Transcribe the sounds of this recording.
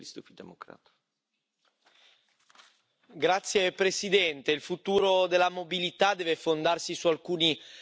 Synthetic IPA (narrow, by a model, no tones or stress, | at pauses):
list̪ufid̪emokɾa̰t̪ | ɡɾat̪sːjepɾesid̪ɛnt̪eilfut̪uːɾod̪elːamobilit̪ad̪ɛːvefond̪arsisualkuːni